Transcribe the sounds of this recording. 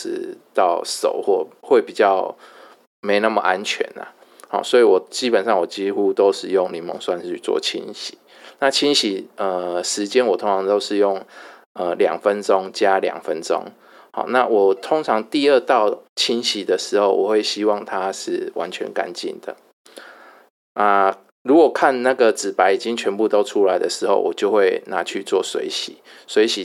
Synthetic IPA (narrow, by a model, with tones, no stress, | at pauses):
ɻ̩˧˥˦t̪ɑ˥˩ʊʂo̰˨˩ʊxwɔ˥˧xwe˥˩ɪpi˨˩t͡ɕjɑ˥˩ʊ | me˧˥ɪna˥˩mə˨ʔa˦nt͡ɕʰɥɛ̰˧˦na̰˨ | hɑ̰˨˩swɔ˧˥i˨wɔ˨˩t͡ɕi˦˥pə˨nʂɑ˥˩ŋwɔ˨˩t͡ɕi˦˥xu˦t̪o˥ʊʂɻ̩˥˧jo˥˩ŋli˨˩mə̰˧˥ŋswa˥˧nʰy˥˧t͡swɔ̰˥˨t͡ɕʰḭ˦˥nɕi̥˨˦ | na˥˨t͡ɕʰi˥nɕi˨˩ə˧ʂɻ̩˧˦t͡ɕjɛ˦˥nwɔ˨˩t̪ʰo˥ŋʈ͡ʂʰɑ˧˥ŋt̪o˥ʊʂɻ̩˥˧jʊ˥˩ŋ | ə˨ljɑ̰˨˩ŋfə˦nʈ͡ʂo˦ŋt͡ɕja˦ljɑ̰˨˩ŋfə˦nʈ͡ʂo̰˦ŋ | hɑ̰˨˩na˥˨wɔ˨˩t̪ʰo˥ŋʈ͡ʂʰɑ˧˦ŋt̪i˥˧ə˥˧t̪ɑ˥˩ʊt͡ɕʰi˦˥nɕi˨˩d̪ə˨ʂɻ̩˨˥xo˥˩ʊwʔɔ˨˩xwe˥˩ɪɕi˦˥wɑ˥˨˩ŋt̪ʰa˦ʂɻ̩˥˩wʔa̰˧˦nt͡ɕʰɥɛ̰˧˦nka̰˦nt͡ɕḭ˥˨˩nd̪ə̰˩ | na˥˧ | ɻu˧˦˥kwɔ˨˩kʰa˥˨nna˥˨˩ɡə˨t͡sɹ̩˨˩pa˧˥ɪi˨˩t͡ɕi˦˥ŋt͡ɕʰɥɛ˧˦npu˥˧t̪o˥ʊʈ͡ʂʰu˥la˨˦ɪd̪ə˨ʂɻ̩˧˦xo˥˩ʊwɔ˨˩t͡ɕjo˥˧ʊxwe˥˩ɪna˨˦t͡ɕʰy˥˧t͡swɔ˥˨˩swḛ˧˥ɪɕḭ˨˩˦ | swe˧˥ɪɕi˨